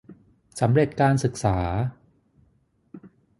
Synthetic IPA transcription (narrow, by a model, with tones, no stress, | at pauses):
sa˩˦mɾe˨˩t̪̚kaː˧nsɯ˨˩k̚saː˩˦